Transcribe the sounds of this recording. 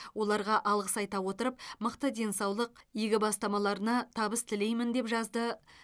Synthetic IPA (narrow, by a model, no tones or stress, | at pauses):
wo̞lˠɑɾʁɑʔɑlˠʁəsɑjt̪ɑwo̞t̪əɾəp̚məqt̪əd̪e̞nsɑwlˠəq̚eɡʲɪbɑst̪ɑmɑlˠɑɾənɑt̪ʰɑbəst̪ʰɪle̞jmɪnd̪e̞pʒɑzd̪ə